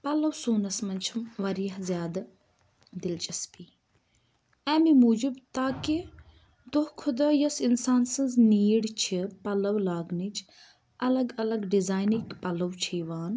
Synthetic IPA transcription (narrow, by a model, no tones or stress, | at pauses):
pɐlɐwsuːnɐsmɐnt͡ʃʰɐmʋɐɾijɐɦzjaːd̪ɐ | d̪ɪlt͡ʃʼɐspiː | ɛːmimuːd͡ʒibt̪aːki | d̪ohkʰʊd̪aːjɐsinsaːnsɐnzniːɽt͡ʃʰipɐlɐwlaːɡnit͡ʃ | ɐlɐɡɐlɐɡɖizaːjnikpɐlɐwt͡ʃʰiːʋaːn